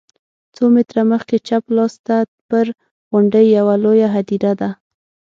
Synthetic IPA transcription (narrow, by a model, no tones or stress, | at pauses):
t͡somɪt̪ɾaməxket͡ʃaplɑst̪a | pəɾ | ɣʊɳɖəjːawalojaɦad̪iɾad̪a